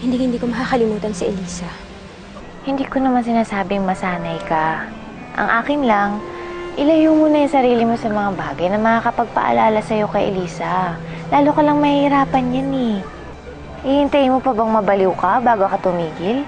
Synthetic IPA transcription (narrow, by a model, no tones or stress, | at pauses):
hɪnd̪iŋhɪnd̪iːkomɐkakɐlɪmuːt̪ɐnsiʔɛliːsɐ | hɪnd̪iːkonɐmansɪnaːsaːbɪŋmɐsaːnɐjkɐ | ʔɐ̰ŋʔaːkɪnlɐŋʔɪlɐjʊmuːnɐjʊŋsɐɾiːlɪmo̞sɐmɐŋabaːɡɐjnɐmɐŋakɐpɐɡ̚pɐ̰ʔɐ̰laːlɐsɐjo̞kɐjʔɛ̰liːsɐ | laːlokɐlɐŋmɐhɪɾaːpɐnjanɛ | ʔɪhɪnt̪ajmopɐbɐŋmɐbɐluːkɐbaːɡokɐt̪ʊmiːɡɪl